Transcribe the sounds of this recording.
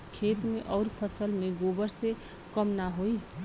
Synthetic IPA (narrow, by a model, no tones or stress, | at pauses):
kʰeːt̪mḛ̃ʔɔːɾpʰəsəlmẽɡoːbəɾse | kəmnaɦoːi